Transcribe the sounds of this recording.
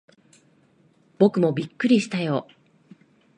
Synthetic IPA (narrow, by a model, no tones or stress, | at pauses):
b̥o̞kɯ̟mo̞bʲikːɯ̟ɾʲiɕi̥t̪ajo̞ː